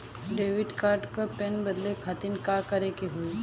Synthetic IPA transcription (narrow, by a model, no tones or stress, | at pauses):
ɖeːʋɪɖkaːɾɖkopenbɐd̪lekʰat̪inkakɐɾekeɦui